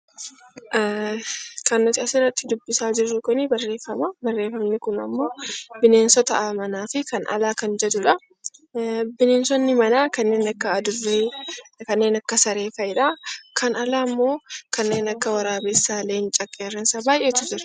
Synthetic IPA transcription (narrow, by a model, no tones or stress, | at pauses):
ʔ | kɐnːʊt̪ɪɐsɪrːɐt̪ːɪd̪ʊbːɪsaːd͡ʒɪrːʊkʊnɪbɐrːe̞ːfːɐmɐbɐrːe̞ːfɐmnɪkʊnɐ̰mːo̞ːbɪneːnsɔt̪ɐʔamɐnaːfɪkɐnʔɐ̰laːkɐnd͡ʒɛd̪ʊᶑɐ | bɪneːnsɔnːɪmɐnaːkɐnːe̞ːnɐkːɐːd̪ʊrːekɐnːe̞ːnɐkːɐsɐɾe̞ːfɐɪᶑaːkʰɐnɐlaːmːo̞ːkɐnːe̞ːnɐkːɐwɐɾaːbesːaːleːnt͡ʃʼɐkʼːeːrːɐnsabaːjʔeːt̪ʊd͡ʒɪɾɐ̥